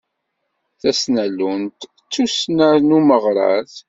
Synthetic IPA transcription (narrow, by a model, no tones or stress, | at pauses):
θæsnælːunt̪ | t͡sːusnəɾnuməʁɾˤɑ̰θ